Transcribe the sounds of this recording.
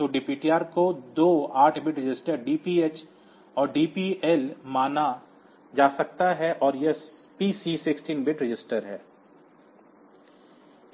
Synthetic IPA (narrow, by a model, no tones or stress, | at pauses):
t̪oːɖɪpiːʈiaːɾkod̪oːaːʈʰbɪʈɾɪd͡ʒɪsʈəɾɖiːpiet͡ʃ | ɔːɾɖiːpiɛlmaːna | d͡ʒaːsɐk̚t̪aɦɛʔɔːɾjespiːsiːsɪksʈiːnbɪʈɾɪd͡ʒɪsʈəɾɦɛː